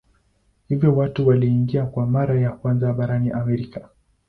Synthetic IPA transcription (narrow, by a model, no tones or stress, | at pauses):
hivjɔwatuwaliːŋɡiakwamaɾajakwanzaɓaɾaniʔamɛɾika